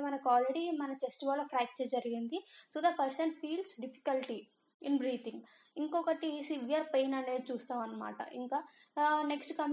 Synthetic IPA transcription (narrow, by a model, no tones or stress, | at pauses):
mɐnɐkaːlɾeɽimɐnɐfesʈiʋaːlɐpʰɾaːk̚t͡ʃeːd͡ʒɐɾiɡind̪isoːd̪ɐpɐɾsɐnpʰiːlsɖipʰi̥kɐlʈi | inbɾiːt̪ʰiŋɡ | iŋkɔkɐʈisiʋijɐɾpeːnɐɳeːt͡ʃuːst̪aːɐnːɐma̰ːʈɐ̰ʔḭŋkaː | neksʈkɐm